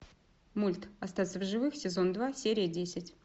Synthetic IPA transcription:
mulʲt̪ɐst̪at̪səvʐɨvɨxsʲɪzo̞nd̪vasʲeɾʲɪjədʲesʲɪtʲ

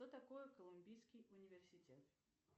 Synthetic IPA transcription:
t̪ot̪ɐkojɛkəlˠʊmʲbʲijskʲijʊnʲɪvʲɪrsʲɪtʲet̪

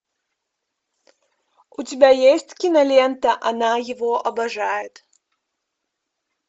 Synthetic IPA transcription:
utʲɪbʲajesʲtʲkʲinɐlʲent̪ɐʔɐnajɪvoʔɐbɐʐajɪt̪

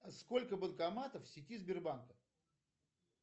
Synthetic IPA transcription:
ɐsko̞lʲkəbəlˠkamat̪əfsʲɪtʲizbʲɪrbankə

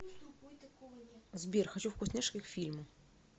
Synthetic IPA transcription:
zbʲirxat͡ɕufkusnʲɛʂkʲixfʲilʲmʊ

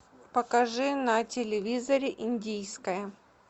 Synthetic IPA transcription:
pɐkɐʐɨnɐtʲɪlʲɪvʲizɐɾʲɪʔinʲdʲijskəjə

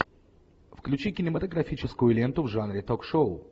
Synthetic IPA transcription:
fklʲʉt͡ɕikʲɪnʲɪmət̪əɡɾɐfʲit͡ɕɪskʊjʊlʲe̞nt̪ʊvʐanɾʲɪt̪okʂoʊ

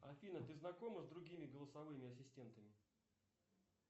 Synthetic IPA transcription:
ɐfʲilʲnət̪ɨznɐko̞məzd̪ɾʊɡʲimʲɪɡəlˠəsɐvɨmʲɪɐsʲɪsʲtʲe̞nt̪əmʲɪ

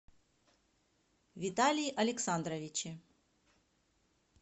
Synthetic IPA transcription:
vʲit̪alʲijiʔɐlʲɛksand̪ɾɐvʲit͡ɕi

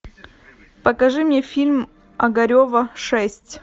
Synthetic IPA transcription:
pəkɐʐɨmʲnʲefʲilʲm | ɐɡɐɾʲovəʂɛsʲtʲ

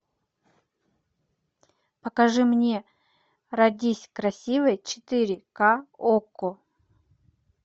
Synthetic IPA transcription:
pəkɐʐɨmnʲe̞ | rɐdʲisʲkɾɐsʲivɨjt͡ɕɪ̥t̪ɨɾʲɪkaoko

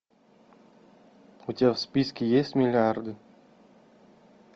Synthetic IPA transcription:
ut̪ʲafspʲiskʲijesʲt̪ʲmʲilʲard̪ɨ

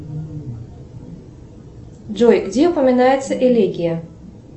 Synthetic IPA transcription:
ʐɔjɡd͡zʲɛupɐmʲinajɛt̪sːɐʔɛlʲɛɡʲijɐ

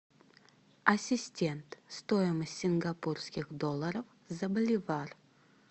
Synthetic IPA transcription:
ɐsʲɪsʲtʲe̞nt̪st̪ojɪməsʲt̪ʲsʲɪnɡapurskʲɪxd̪o̞lˠːəɾəf | zəbəlʲɪvar

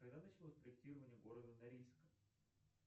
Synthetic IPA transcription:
kɐɡ̚d̪anat͡ɕɪlˠosʲpɾəɪk̚tʲiɾəvənʲɪjəɡo̞ɾəd̪ənɐɾʲilʲskəm

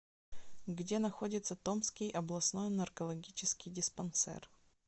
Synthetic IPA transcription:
ɡdʲenɐxodʲɪt̪sət̪omskʲɪjʔɐblˠɐsno̞jnɐrkɐlˠɐɡʲit͡ɕɪskʲɪjdʲɪspɐnsɛ̰r

